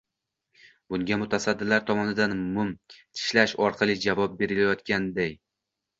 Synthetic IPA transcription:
bʊŋɡʲamʊt̪ʰasad̪ːɪlaɾt̪ʰɒmɒnɪd̪anmʊmt̪ʰɪ̥ʃlaʃɒɾqʰɑlˠɪd͡ʒavɒp̚be̞ɾɪlajɒt̪kʲand̪aj

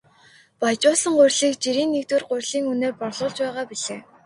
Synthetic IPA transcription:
pajt͡ɕʊːsə̆ŋɢʊrʲɮiːkt͡ɕiɾiːnːekt̪wɘ̆rɢʊrʲɮiːŋɵneːrpɔrɮʊːɮt͡ɕpæːʁaːpiɮeː

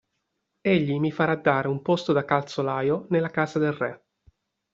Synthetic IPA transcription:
eʎːimifaɾad̪ːaːɾeumpost̪od̪akalt̪solaːjonelːakaːzad̪elrɛ

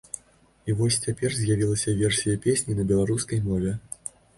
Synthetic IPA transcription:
ivɔsʲt͡sʲapʲɛrzʲjavʲilˠɐsʲɐvʲɛrsʲijɐpʲesʲnʲinɐbʲɛlˠaɾuskɐjmɔvʲɛ

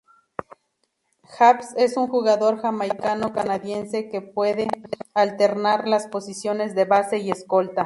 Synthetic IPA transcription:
xapse̞suŋxuɣaðo̞ɾxamajkano̞kanaðjense̞kepwe̞ðealt̪e̞ɾnaɾlaspo̞sisjo̞ne̞zðe̞βase̞iesko̞lt̪a

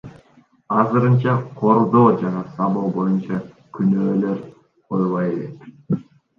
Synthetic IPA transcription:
ɑzɨɾɯnt͡ʃɑqʰo̞ɾd̪o̞ːd͡ʒɑnɑsɑlˠoːbo̞junt͡ʃɑ | kʰynøːle̞ɾ | qʰojʁɑjelet̪

